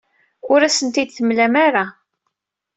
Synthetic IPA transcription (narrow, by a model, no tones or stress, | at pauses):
ʊɾæsənt̪id̪θəmlæmaɾa